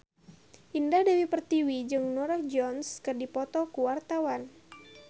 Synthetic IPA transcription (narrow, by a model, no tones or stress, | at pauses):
ʔindahdewipərt̪iwid͡ʒɨŋnɔɾahd͡ʒɔnskɨrdipɔt̪ɔkuwart̪awan